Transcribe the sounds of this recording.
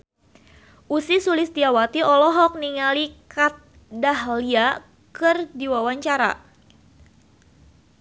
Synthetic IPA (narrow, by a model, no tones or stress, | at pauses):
ʔusisulɪsd̪iawat̪iɔlɔɦɔk̚niŋalikat̪̚ | daɦlia | kɨrdiwawaɲt͡ʃaɾa̰